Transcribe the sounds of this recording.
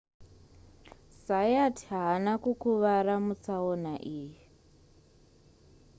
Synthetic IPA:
sajatʰɦaɦːnakukuʋaɾamut͡saonaʔiːji

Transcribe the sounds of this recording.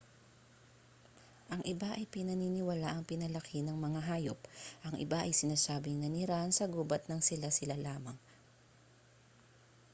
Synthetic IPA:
ʔɐŋʔɪbaʔɐjpɪnɐniːnɪwɐlaʔɐŋpɪnɐlɐkʰɪnɐŋmɐŋaɦaːjop̚ʔɐŋʔɪ̰baʔɐjsɪnaːsaːbɪŋnɐniɾaʔnsɐɡuːbɐt̪̚nɐŋsɪlasɪlalaːmɐŋ

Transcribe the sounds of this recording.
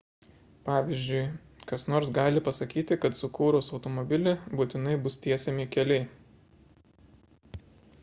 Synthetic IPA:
pɑːʋʲizʲd͡ʒʲʊɪ | kɐsnoːɾsɡɑːlʲɪpɐsɐkʲiːt̪ʲɪkɐt̪sʊkuːɾʊːsɒʊt̪ɔmɔbʲɪlʲɪbuːt̪ʲɪnɐɪbʊst̪ʲiɛsʲɛmʲɪkʲɛlʲɛɪ

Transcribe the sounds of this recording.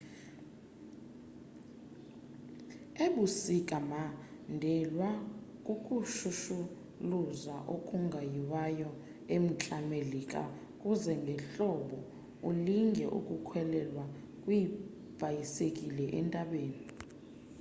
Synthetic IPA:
eɓusikʼamandʱɛlwakʼukʼuʃuʃu | luzaʔokʼuŋɡʱajiwajɔ | em̩t͡ɬʼamelikʼa̰ | kʼuzɛŋɡʱɛɬɔɓɔ | uliŋɡʱɛ̰ʔṵkʼukʰwɛlɛlwa | kʼwii | b̥ʱajisekʼilɛʔɛ̰ntʼaɓeːni

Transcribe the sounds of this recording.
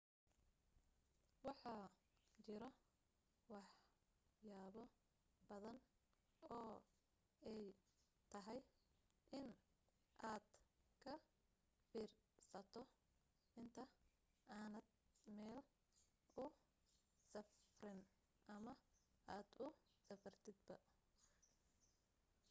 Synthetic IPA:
wɑħɑːt͡ʃɪɾɔ | wɑħ | jaːβɔ | b̥ɐðɐn | ɔː | ɛj | t̪ʰɐɦɛj | ʔɪn | ʔaːd̪̥kʰɐ | fiːrsɐt̪ʰɔ | ʔɪnt̪ʰɐ | ʔaːnɐd̪mɛːl | ʊ | sɐfrɪn | ʔɐmɐ | ʔaːd̪ʊ | sɐfɐrt̪ʰɪd̪̚bɐ

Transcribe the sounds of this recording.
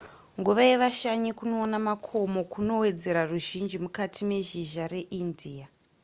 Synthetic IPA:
ŋɡuʋaeʋaʃaɲikuno̞ːnamakʰomo̞kuno̞we̞d͡ze̞ɾaruʒind͡ʒimukatʰime̞ʒiʒare̞ʔindʱia

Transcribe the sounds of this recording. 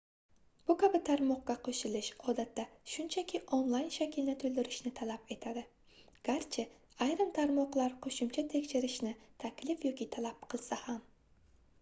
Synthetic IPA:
b̥ʊkʰabɪt̪ʰaɾmɒqɡaqʰoʃɪlɪʃɒd̪at̪ʰːaʃʊnt͡ʃʰakʲʰɪʔonlˠajnʃakʲʰɪlnɪt̪ʰɵlˠd̪ɪɾɪʃnɪt̪ʰalape̞t̪ʰad̪ɪ | ɡ̥ʲaɾt͡ʃʰɪ | ajɾɨmt̪ʰaɾmɒqlˠaɾqʰoʃʊmt͡ʃʰat̪ʰekʲʃɪɾɪʃnɪt̪ʰakʲlɪfjɒkʲʰit̪ʰalap̚qʰɨlˠsaham

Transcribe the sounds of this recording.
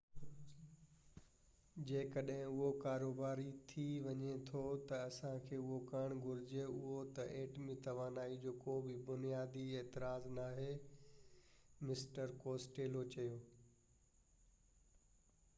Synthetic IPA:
d͡ʑeːkɐɗɦɪ̃ʊɦokaːɾoːbaːɾit̪ʰiʋɐɲet̪ʰot̪ɐɐsãkʰeːʊɦokɐɽ̃ɡʱʊɾɪd͡ʑeʊɦot̪ɐʔẽːʈmĩt̪ɐʋaːnaːid͡ʑoːkobʱɪbʊnijaːd̪ieːt̪ɪɾaːznaːɦe | mɪsʈəɾkoːsʈeːlot͡ɕɐjoː

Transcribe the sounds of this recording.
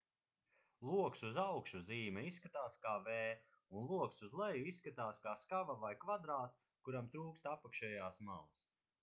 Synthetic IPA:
lˠuɔksuzawkʃuziːmɛisːkat̪aːskaːveː | unlˠuɔksuzlˠɛjuisːkat̪aːskaːskavavajkvad̪ɾaːt̪s | kuɾamt̪ɾuːkst̪apakʃɛːjaːsma̰lˠs

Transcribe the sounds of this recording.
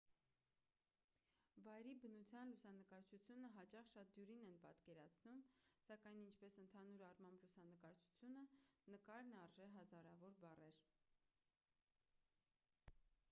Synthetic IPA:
vɑjɾibənut͡sʰjɑnlusɑnəkɑɾt͡ʃʰut͡sʰjunəɦɑt͡ʃɑχʃɑt̪̚d̪juɾinɛnpɑ̰t̪kɛɾɑt͡sʰnumsɑkɑjnint͡ʃʰpɛsənt̪ʰɑnuɾɑrmɑmblusɑnəkɑɾt͡ʃʰu̥t͡sʰjunənəkɑɾnɑrʒɛɦɑzɑɾɑvɔɾbɑrɛɾ

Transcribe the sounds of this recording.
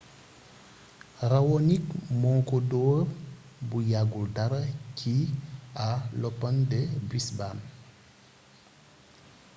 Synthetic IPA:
rawɔnikmɔŋkɔdɔw | bujaɡuldaɾɐcʰialɔpːɐndɛbisbaːn

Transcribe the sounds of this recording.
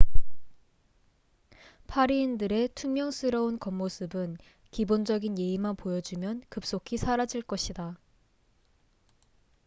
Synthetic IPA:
pʰaɾiːndɯɾe̞tʰumjʌŋs͈ʰɯɾʌunkʌmːosʰɯbɯn | kibond͡ʑʌɡinje̞imanpojʌd͡ʑumjʌnkɯp̚s͈okʰisʰaɾad͡ʑiɭk͈ʌɕʰida

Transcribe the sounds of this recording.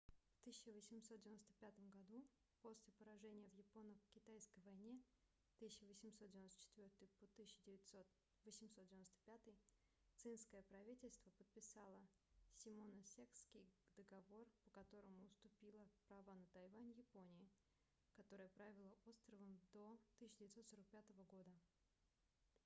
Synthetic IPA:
ft̪ɨsʲɪt͡ɕɪvəsʲɪmsot̪d̪ʲɪvɪnost̪əpʲat̪əmɡɐd̪u | po̞sʲlʲɪpəɾɐʐɛnʲɪjəvjɪpo̞nəkʲɪt̪ajskəjvɐjnʲe | t̪ɨsʲɪɕɪvəsʲɪmsot̪̚dʲvʲɪnost̪ə̥t͡ɕɪ̥t̪vʲo̞rt̪ɨjpot̪ɨsʲɪɕɪdʲɪvʲɪtʲsot̪ | vəsʲɪmsot̪dʲɪvʲɪnost̪ə̥pʲat̪ɨj | t̪sɨnskəjəpɾɐvʲitʲɪlʲst̪vəpət̪̚pʲɪsalˠə | sʲɪmo̞nəsʲekskʲɪjd̪əɡɐvo̞rpəkɐt̪o̞ɾəmʊːst̪ʊpʲilˠəpɾɐvanət̪ɐjvanʲjɪponʲɪɪ | kɐt̪o̞ɾɨjəpɾavʲɪlˠəʔo̞t̪st̪ɾəvəmd̪o̞t̪ɨsʲɪːɪdʲɪvɪt̪st̪so̞ɾək̚pʲat̪əvəɡo̞d̪ə

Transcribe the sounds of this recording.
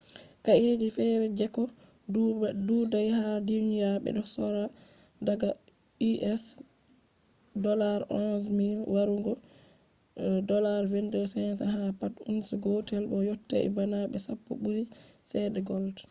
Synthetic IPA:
kaʔed͡ʒifɛɾɛd͡ʒɛkɔ | dududajhadinjaɓɛ̰ɗɔsɔɾa | daɡa | iʔɛs | dɔlaɾʔɔnsmilwaɾuŋɡɔ | dɔlaɾvɛndɛsɛns̬aɦapatṵnsuɡɔtɛlɓɔjotːɛ̰ʔɛ̰banaɓɛsapːṵɓuɾisɛdɛɡɔltḁ

